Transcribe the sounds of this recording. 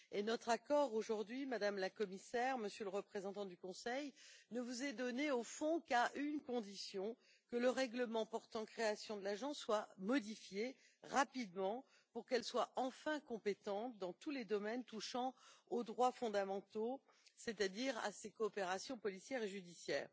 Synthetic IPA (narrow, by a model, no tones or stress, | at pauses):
enɔt̪χakɔʁoʒuʁd̪ɥimad̪amlakɔmisɛʁməsjøləʁəpχezɑ̃t̪ɑ̃d̪ykɔ̃sɛjnəvuzɛd̪ɔneofɔ̃kaʔynkɔ̃d̪isjɔ̃ | kələʁɛɡləmɑ̃pɔʁt̪ɑ̃kχeasjɔ̃d̪əlaʒɑ̃sːwamɔd̪ifje | ʁapid̪mɑ̃ | puʁkɛlswaɑ̃fɛ̃kɔ̃pet̪ɑ̃t̪d̪ɑ̃t̪uled̪ɔmɛnt̪uʃɑ̃od̪ʁwafɔ̃d̪amɑ̃t̪o | set̪ad̪iʁa̰sekɔːpeʁasjɔ̃pɔlisjɛʁeʒyd̪isjɛ̰ːʁ